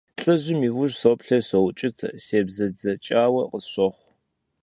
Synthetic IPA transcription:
ɬʼɐʑɪmiːwʊʒsopɬɐɕɐwt͡ʃʼɪtʰɐ̰seːbzɐd͡zɐt͡ʃʼaːwɐqəsɕʷɔχʷ

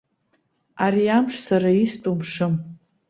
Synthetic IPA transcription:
aɾiamʂsaɾaistʼumʂɨm

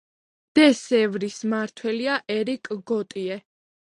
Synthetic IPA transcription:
d̪̥ɛsɛvɾismaɾt̪ʰwɛliaʔɛɾikʼɡɔt̪ʼiɛ

